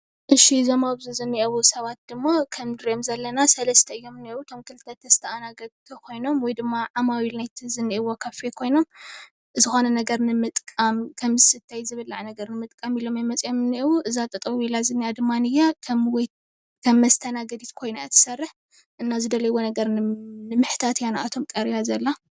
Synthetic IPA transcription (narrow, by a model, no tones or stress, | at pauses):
ʔɨʃizomaβzuzɨnːiʔɐwusɐβat̪̚d̪̥ɨmːakʰɐmd̪ɨɾemzɐlːɐnasɐlɐst̪ʰɐɨjːo̞mɨnːiwut̪ʰo̞mkʰɨlɨt̪ʰːɐt̪ʰːɐst̪ʰɐʔanaɡɐd̪t̪ʰɐkʰo̞jno̞mwɔjd̪ɨmːaʕamawilnajt̪ʰizɨnːiʔɨwokʰɐfekʰo̞jno̞m | ɨzɨxo̞nɐnɐɡɐɾnɨmɨt̪ʼkʼamkʰɐmzɨsɨt̪ʰːajzɨβɨlːaʕnɐɡɐɾnɨmɨt̪ʼkʼamilo̞majmɐt͡sʼjomɨnːiʔwuʔɨzat̪ʼɐt̪ʼɐβwilazɨnːijad̪ɨmːanɨjakʰwj | kʰɐmːɐst̪ʰɐnaɡɐd̪it̪kʰo̞jnaɨt̪ʰɨ̥sɐrːɨħ | ʔɨnːazɨd̪ɐlɐjwo̞nɐɡɐɾnɨmɨħt̪ʰat̪janaʔat̪ʰo̞mkʼɐɾjazɐlːa